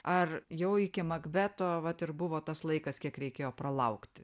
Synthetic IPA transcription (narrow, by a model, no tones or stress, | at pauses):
ʔɐrjɛʊɪkʲɪmɐɡbʲæːt̪oːʋɐt̪ɪɾbʊʋoːt̪ɐslˠɐɪkɐskʲiɛkɾʲɛɪkʲeːjoːpɾɐlˠɐʊkt̪ʲ